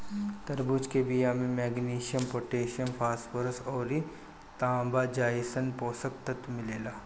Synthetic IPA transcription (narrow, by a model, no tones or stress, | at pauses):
t̪ɐɾbuːt͡ʃkebijamẽmɛːɡniːʃijəmpoːʈeːʃəmpʰaːswəɾsɔːɾi | t̪ãːmbad͡ʒaːisənpoːsək̚t̪ɐt̪mɪleːlaː